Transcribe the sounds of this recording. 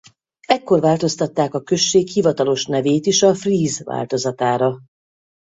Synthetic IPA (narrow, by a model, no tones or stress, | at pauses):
ɛkːo̞rvaːlt̪o̞st̪ɒt̪ːaːkɒkø̞ʃːeːkhivɒt̪ɒlo̞ʃnɛveːt̪iʃɒfriːzva̰ːlt̪o̞zɒt̪aːɾɒ